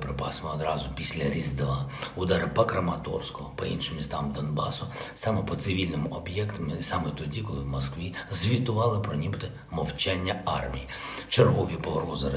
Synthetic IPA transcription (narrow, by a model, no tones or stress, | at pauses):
pɾɪpɑsmɔɔd̪ɾɑzʊpʲisʲlʲɐɾʲizd̪ʋɑud̪ɑɾɪpɐkɾɐmɐt̪ɔ̰rskɔɦɔpɔinʃɪmʲist̪ɑmd̪ɔnbɑ̰sʊsɑmɛpɔt̪sɪʋʲilʲnɪmʊʔɔbjɛkt̪ɐmsɑmɛt̪ɔdʲikɔlˠɪwmɔskʋʲizʲʋʲit̪ʊʋɑlˠɪpɾɔnʲibɪt̪ɔ | mɔwt͡ʃɛnʲːɐɑ̰rmʲḭji | t͡ʃerɦɔʋʲipɔɔrɦɔzɐɾɐ